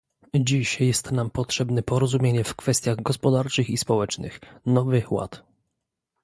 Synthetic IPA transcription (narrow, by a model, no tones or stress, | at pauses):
d͡ʑiɕjɛst̪nampɔtʂɛbnɛpɔɾɔzumʲjeɲɛfkfɛst̪ʲjaɣɡɔspɔd̪aɾt͡ʂɘxispɔwɛt͡ʂnɘ̰xnɔvɘxwa̰t̪